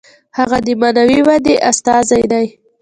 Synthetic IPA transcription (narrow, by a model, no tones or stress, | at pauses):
haɣad̪əmanawiwad̪eʔast̪ɑzajd̪aj